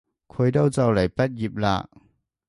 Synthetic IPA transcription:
kʰə˧jto˥˩wt͡sɐ˧wlɐ˨˩jpɐ˥t̚ji˨p̚la̰ː˧˥ʔ

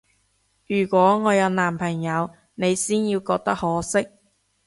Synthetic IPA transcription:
jyː˨˩kʷɔː˨˥ŋɔː˨˧jɐ˨˧wnaː˨˩mpʰɐ˨˩ŋjɐ˨˧w | ne˨˧jsiː˥njiː˧wkɔː˧k̚t̪ɐ˥k̚hɔː˨˥sɪ˥k̚

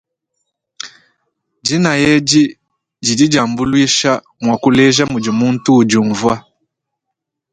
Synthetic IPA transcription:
d͡ʒi˦na˨jɛ˦d͡ʒi˦ | d͡ʒi˨di˦d͡ʒa˨mbu˦lwi˦ʃa˦ | mwa˨ku˦lɛ˦ʒa˦mu˨d͡ʒi˨mu˦n̩˦tuː˦˨d͡ʒu˨ɱvwa˦

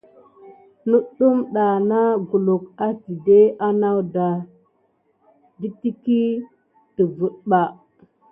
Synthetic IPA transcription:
nu˦ɗu˦mɗa˨na˦ɡu˨lu˨ka˦ti˨de˦ʔa˦na˦wda˨ | di˦ti˦ki˦ | tə˨vu˨ɗɓa˨

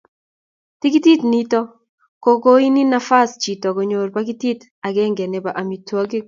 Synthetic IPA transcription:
tɪ˦ki˦ti˦tni˦tɔ˦ | ko˦ko˦i˦ni˦na˦fa˦st͡ʃi˨tɔ˨ko˨ɲo˨rpa˦ki˦ti˦t | a˨ɡɛ˦ŋɡɛ˨nɛ˨ba˨ʔa˨mi˨twa˦ɡɪ˦

